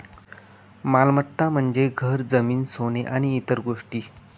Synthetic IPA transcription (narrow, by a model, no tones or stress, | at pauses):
malmət̪ːam̤əɳd͡zeɡʱəɾd͡zəmiːnsoneʔaɽ̃iːt̪əɾɡoʂʈiː